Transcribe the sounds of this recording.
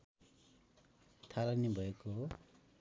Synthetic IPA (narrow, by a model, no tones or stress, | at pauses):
t̪ʰalanibʱʌeko